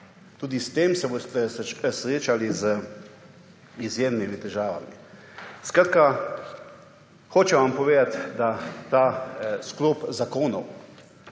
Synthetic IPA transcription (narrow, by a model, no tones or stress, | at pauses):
t̪uːd̪ist̪eːmsɛbost̪ɛsɛsɾeːt͡ʃalizə | izjeːmnimit̪ɛʒaːʋa̰mi | skɾaːt̪ka | xoːt͡ʃɛʋampɔʋeːd̪at̪d̪at̪aːskloːpzakoːnɔw